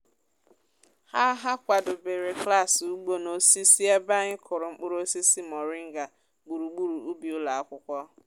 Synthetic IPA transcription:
ha˦ɦa˦kʷa˨dʊ˨be˨ɾe˨kla˦˨su˦ɡ͡bo˦no˨si˦si˦a˦ba˦ɲɪ˦kʰʊ˨ɾʊ˨ŋ͡m̩˦k͡pʊ˦ɾo˦si˦si˦mɔ˨ɾɪ˦ŋ̩˦ɡa˨ | ɡ͡bu˨ɾu˨ɡ͡bu˦ɾu˨u˦bi˨ʊ˦la˨a˦kʷʊ˦kʷɔ˦

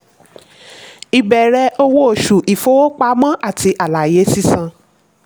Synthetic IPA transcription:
i˨bɛ˨ɾɛ˧ʔo˧wo˦o˨ʃu˨ʔi˨fo˦wo˦k͡pa˧˦mã˦ʔa˦˨ti˨˧ʔa˨la˨je˨˦si˦sã˧˨

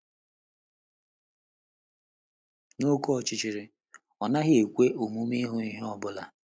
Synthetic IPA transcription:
no˦kɔ˦ɔ˨t͡ʃɪ˨t͡ʃi˨ɾɪ˨ | ɔ˨na˦ɦɪ˦e˨kʷe˦ʔo˨mu˦mi˦ɦʊ˨i˦ɦe˦ɔ˦bʊ˦la˨

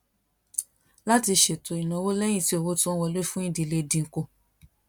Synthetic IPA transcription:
la˦ti˧ʃe˨to˨i˨nã˨˦wo˦lɛ˦j̃ĩ˦˨ti˦o˨wo˦tũ˦wɔ˧lo˦fũ˦ĩ˦dĩ˨le˧˨dĩ˧ŋ̩˨ko˧˨

